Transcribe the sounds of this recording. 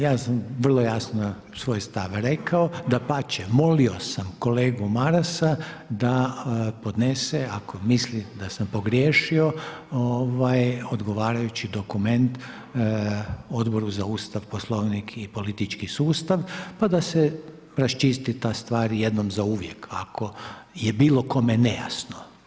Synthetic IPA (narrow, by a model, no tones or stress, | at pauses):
jaːsamʋər̩lˠo̞jasnon | sʋo̞jst̪aʋɾe̞kaod̪apat͡ʃemo̞lio̞samko̞leːɡumaɾasad̪apo̞d̪neseako̞mislid̪asampo̞ɡɾjeːʃio̞oʋajod̪ɡo̞ʋaːɾajut͡ɕid̪o̞kume̞nt̪ | o̞d̪bo̞ɾuzauːst̪aʋposlˠoʋnikʰipo̞lit̪it͡ʃkisuːst̪aʋpad̪ase | ɾast͡ʃist̪it̪ast̪ʋaːɾje̞d̪no̞mzauːʋjekako̞jebiːlˠo̞ko̞meneja̰sno